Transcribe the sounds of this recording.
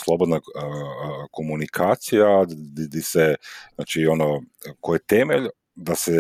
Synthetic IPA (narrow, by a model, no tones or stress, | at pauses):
slˠobod̪na | ko̞munikʰaːt̪sijad̪id̪isezna̰t͡ʃio̞nokojet̪emeʎ | d̪ase